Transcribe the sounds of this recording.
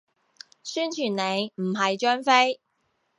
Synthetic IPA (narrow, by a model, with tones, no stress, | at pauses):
syː˥nt͡ʃʰyː˨˩nne˨˧jm̩˨˩ɦɐ˨jt͡ʃœː˥nfe˥j